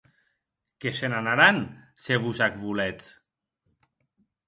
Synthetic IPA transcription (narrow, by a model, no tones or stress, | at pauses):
kesenanaɾanseβusakβulet͡s